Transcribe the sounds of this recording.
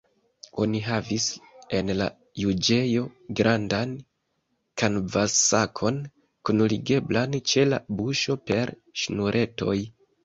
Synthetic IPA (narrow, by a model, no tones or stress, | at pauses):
o̞niɦavise̞nla̰ | jud͡ʒe̞jo̞ɡɾʔandan | kanvasakʰo̞n | kunliɡe̞blant͡ʃe̞la̰buʃo̞pe̞ɾ | ʃnuɾʔe̞to̞̰j